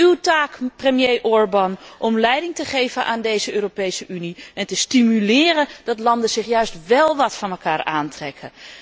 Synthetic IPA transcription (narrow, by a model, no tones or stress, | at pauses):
ywtaːkprəmjejʔɔɹbɑnʔɔmlɛjdɪŋtəχejvənʔaːndejzəøːropejsəʔyniɛntəstimylɪːɾənd̥ɑtlɑndənz̥ɪχjœɥstʋɛlˠʋɑtfɑnɛlˠkaːɹaːntrɛkʰə